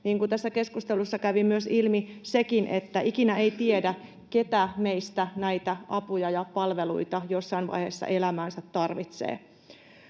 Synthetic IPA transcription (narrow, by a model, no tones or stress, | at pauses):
niːŋkut̪æsːæke̞skust̪elusːɑkæʋimmyøsilmisekinʔet̪ːæikinæeit̪iedæ | ke̞t̪æmeist̪ænæit̪æʔɑpujɑjɑpɑlʋelṵit̪ɑjosːɑinʋɑ̰jhḛsːɑ̰ʔe̞læmæːnsæt̪ːɑrʋit̪sḛː